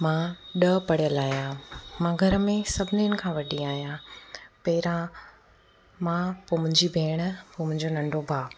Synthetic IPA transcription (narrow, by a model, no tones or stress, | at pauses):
mãɗəpɐɽijəlaːɦijãmãɡʱɐɾəmẽsɐbʱɪniʊnɪ̆kʰãːʋɐɗĩaːɦjãpɐɦɪɾã | mãpoːmʊ̃ɦɪ̃ɲd͡ʑibʱeːɽ̃ə̆poːmʊ̃ɦɪ̃ɲd͡ʑonɐ̃ɳɖobʱaː